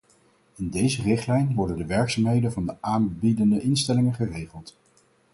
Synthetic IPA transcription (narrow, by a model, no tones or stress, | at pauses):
ɪndejzərɪχtlɛjnʋɔɹdəndəʋɛɹksaːmɦejdəvɑndəʔaːnbidəndəʔɪnstɛlɪŋəχərejχəlˠt